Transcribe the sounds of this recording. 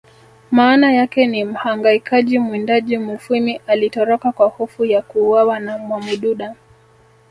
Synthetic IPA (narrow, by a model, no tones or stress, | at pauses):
maːnajakɛnim̩haŋɡaikaʄimwɛndaʄimufimiʔalitɔɾɔkakwahɔfujakuːwawanamwamuɗuɗa